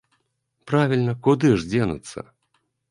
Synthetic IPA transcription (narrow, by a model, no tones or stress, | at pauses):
pɾavʲilʲnɐkud̪ɨʐd͡zʲɛnɐ̰t̪sːɐ̰